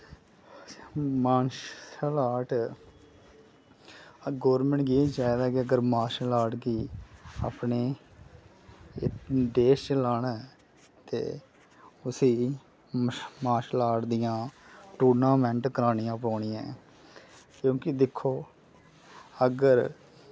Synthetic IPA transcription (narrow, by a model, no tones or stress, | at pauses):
maːnʃsəlaːʈ | ɡɔːɾmɛ̃ɳʈɡiːt͡ʃaːd̪aːkɪəɡəɾmaːʃlaːʈɡiːa̰ːpneː | ɖeːst͡ʃəlaːnaː | t̪ḛː | ʊsiː | maːʃlaːʈd̪ɪjãːʈuːɾnãːmɛ̃ɳʈkəɾaːnɪjãːpɔːɳɪjã̰ː | kjõːkɪd̪ɪkʰːoː | əɡəɾ